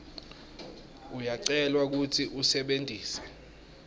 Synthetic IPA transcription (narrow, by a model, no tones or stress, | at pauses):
ujaǀɛlwak̬utʰiʔusɛɓendʱiːsɛ̥